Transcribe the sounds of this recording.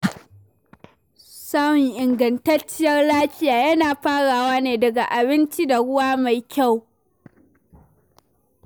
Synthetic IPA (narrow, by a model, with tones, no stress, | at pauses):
sa˦wɪ˨ŋʔɪ˨ŋɡɐ˨ntɐ˦t͡ʃːɪ˦jɐ˦rlaː˦ɸɪ˦jaː˨jɐ˦naː˨ɸaː˦ɽaː˨waː˦neː˨dɐ˨ɡa˨ʔa˨bɪ˦nt͡ʃi˦da˨ɽʊ˦waː˦ma˨jkʲa˦˨w